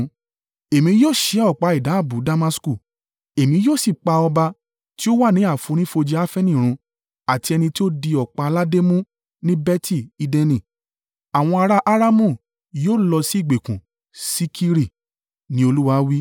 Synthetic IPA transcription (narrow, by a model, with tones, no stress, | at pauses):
e˨mĩ˧˦joː˦˨ʃe˨˦ɔ˦˨k͡pa˧i˨da˨˦˨bu˨˦da˧ma˧sku˦˨ | e˨mĩ˨˧˦joː˦˨si˦˨k͡pa˧ɔ˧ba˧ | ti˦o˦wa˦˨nĩ˨˦a˦˨fũ˨˧˦ɾ̃ĩ˦fo˧d͡ʒi˧˦a˦fɛ˦nĩ˦˨ɾ̃ũ˧ | a˨ti˧ɛ˧nĩ˧ti˦o˦di˧ɔ˨k͡pa˧la˦de˦mũ˦ | nĩ˦bɛ˦tʰi˦˨i˨˧dɛ˧nĩ˨ | a˨w̃ɔ̃˧a˧ɾa˦ʔa˦ɾa˦mũ˦˨ | joː˦˨lɔ˧si˦˨ɡ͡be˨kũ˨ | si˦kʰi˦ɾi˦˨ | nĩ˦o˧lu˦wa˧wi˦